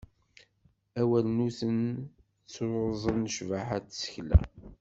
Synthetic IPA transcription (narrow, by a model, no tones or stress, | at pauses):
æwælənuθən | t͡sːwozˤənʃvaħat͡sːsə̥çlæ̰